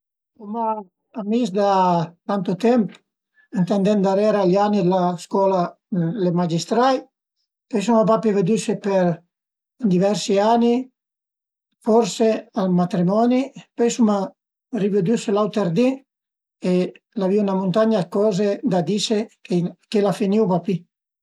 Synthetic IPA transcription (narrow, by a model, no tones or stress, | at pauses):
kumaː | misd̪at̪ant̪ut̪ɛmp | int̪ɛnd̪ɛnd̪aɾɛɾaʎanid̪elaskwɔːla | lemad͡ʒist̪ɾaj | pɔjs̬umap̬apeved̪ysepeɾ | nd̪ivɛɾsiani | fɔɾsealmat̪ɾimɔnipɔjsuma | rived̪yselawt̪eɾd̪i | e | laviunamunt̪aɲakɔːzed̪ad̪isekekelafiniwpapi